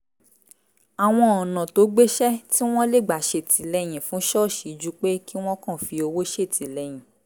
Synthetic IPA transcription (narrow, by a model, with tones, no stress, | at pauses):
a˨w̃ɔ̃˧ɔ˨nã˨to˨˦ɡ͡be˦ʃɛ˦ti˦w̃ɔ̃˦le˦˨ɡ͡ba˨ʃe˨ti˨˦lɛ˧j̃ĩ˨fũ˨˦ʃɔ˦˨ʃi˨d͡ʒu˨˦k͡pe˦ki˦w̃ɔ̃˦kã˦˨fi˧o˧wo˦ʃe˦˨ti˨˦lɛ˨˧j̃ĩ˨